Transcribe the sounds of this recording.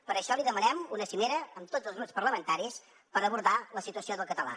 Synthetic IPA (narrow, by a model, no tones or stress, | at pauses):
pəɾəʃɔliðəmənɛmunəsimeɾəːmt̪od͡zəlˠznuspəɾləmənt̪aɾis | pəɾəβuɾðaləsit̪uəsioðəlˠkət̪əla̰